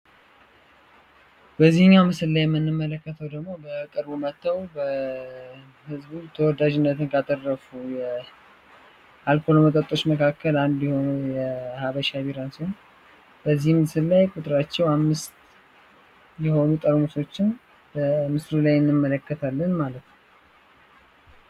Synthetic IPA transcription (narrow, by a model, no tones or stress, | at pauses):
bəzːihɨɲːamɨsɨllajɛmːɨnːɨmːələkːət̪ʰəwd̪əɡmo̞bət̪ʼɨɾbumət̪ːəwbə | hɨzbut̪ʰəwɔd̪ad͡ʒɪnːət̪ʰɨnkʰat̪ʼərːəfujɛ | ʔalkʰo̞lomət̪ʼət̪ʼːo̞t͡ʃməkʰakːəland̪jɛho̞nujɛhaβəʃaβiɾansihon | b̥əzːihmɨsɨllajkʼut̪ʼɾat͡ʃːɛwamːɨst̪ | jɛho̞nut̪ʼəɾmɨso̞t͡ʃːɪn | bəmɨslulajɨnːɨmːələkːət̪ʰalːənmalət̪n